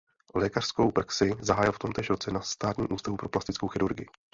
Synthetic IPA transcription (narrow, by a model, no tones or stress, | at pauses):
lɛːkar̥sko̞wpɾaksɪzaɦaːjɪlft̪o̞mt̪ɛːʃɾo̞t͡sɛnast̪aːt̪ɲiːmʔuːst̪avupɾo̞plast̪ɪt͡skowxɪɾuɾɡɪjɪ